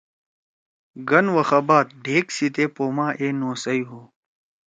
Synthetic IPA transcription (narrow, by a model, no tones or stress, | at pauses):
ɡɐnwɐxɐbaːt̪̚ɖʱeːksit̪eːpoːmaːʔeːnoːsɐjɦoː